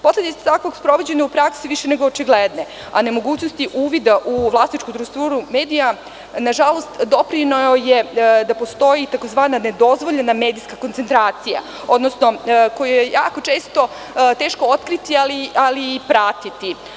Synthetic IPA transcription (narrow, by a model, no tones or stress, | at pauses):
po̞sle̞d̪it̪ḁt̪ako̞ɡspɾo̞ʋo̞d͡ʑe̞ɲaupɾaksiʋiʃene̞ɡoːt͡ʃiɡled̪ne | a̰ne̞mo̞ɡuːt͡ɕnost̪iʔuːʋid̪aʔuvlˠasnit͡ʃkud̪ɾust̪uːɾume̞ːd̪ija | naʒalo̞st̪d̪o̞pɾinoojed̪apo̞st̪o̞jit̪ako̞zʋaːnane̞d̪o̞zʋoʎename̞ːd̪ijskakont̪sent̪ɾaːt̪sija̰ | od̪nosno̞ko̞jijejaːko̞t͡ʃe̞ːst̪o̞ | t̪e̞ːʃko̞ot̪kɾit̪ialialiːpɾat̪it̪i